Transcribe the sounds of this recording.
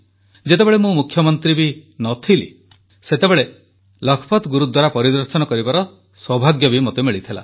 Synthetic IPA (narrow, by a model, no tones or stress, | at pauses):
d͡ʒet̪ebeɭemũmukʰjɔmɔnt̪ɾibinɔt̪ʰilḭ | set̪ebeɭe | lɔkʰɔ̥pʰɔt̪ɡuɾut̪d̪waɾapɔɾid̪ɔɾsɔnɔkɔɾibaɾɔ | swɔbʱaɡjɔbimot̪emiɭit̪ʰila̰